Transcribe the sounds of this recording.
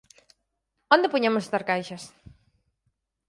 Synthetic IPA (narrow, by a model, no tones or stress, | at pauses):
õnd̪epoɲemʊsest̪aɾkajʃɐs